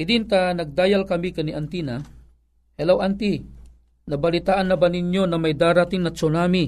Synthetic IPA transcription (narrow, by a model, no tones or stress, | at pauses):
ɪd̪ɪnt̪anɐɡ̚d̪aːjalkɐmikɐniʔɐnt̪ina | hɛlawʔant̪i | nɐbɐlɪt̪aːʔanːɐbanɪɲjonɐmajd̪aːɾat̪ɪŋnɐt͡ʃonami